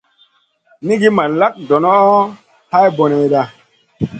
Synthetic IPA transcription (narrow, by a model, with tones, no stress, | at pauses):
ni˦ɡi˦ma˨la˦k̚dɔ˨nɔ˦ | ha˦jbo˨ne˧jda˦